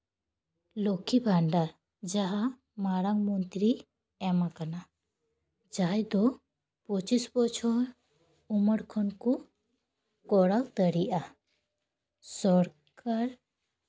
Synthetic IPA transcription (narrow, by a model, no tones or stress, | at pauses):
lokibʱaɳɖa | d͡ʒaɦa | maɾaŋmɔnt̪ɾi | ɛmakana | d͡ʒajd̪ɔ | pɔt͡ʃisbɔt͡ʃʰɔɾ | uməɽkʰɔnku | kɔɽalt̪əɽiʔa | sɔɾ | kʰaɾ